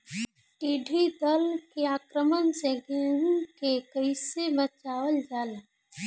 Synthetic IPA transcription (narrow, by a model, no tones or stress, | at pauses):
ʈiːɖʱid̪əlkeaːkɾəmənseɡeːɦũkekəɪsebət͡ʃaːwəld͡ʒaːl